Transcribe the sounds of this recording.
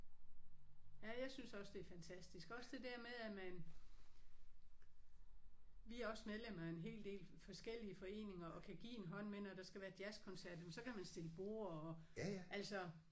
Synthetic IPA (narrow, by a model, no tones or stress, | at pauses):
jæjɑ̈ɪsynsɒ̽sd̥e̝æɐfænt͡sʰæsd̥isɡ̥ɒ̽sd̥e̝d̥æɐ̰meðˠæmæn | ʋiæɐɒ̽smeðˠlemɐæe̝nɦe̝̰ːld̥e̝̰ːlfɒ̽sɡ̥el̰iəfɒ̽e̝̰ːne̝ŋɐʔɒ̽kʰæɡ̥ḭːe̝nɦɒ̽n̰menɒɾ̥ɑ̈sɡ̥æʋæːɐd̥jæskʰɒ̽nsæɐ̰d̥mensɒ̽kʰæmænsd̥e̝ləb̥o̝ːɐ̰ɒ | ʔæl̰sɒ̽